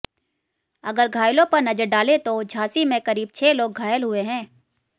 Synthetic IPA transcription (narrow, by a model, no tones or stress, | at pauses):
ɐɡəɾɡʱaːjlõpɐɾnɐd͡ʒəɾɖaːlet̪od͡ʒʱaːsimẽkɐɾiːb̚t͡ʃʰeːloːɡ̚ʱaːjəlɦʊeɦɛ̃ː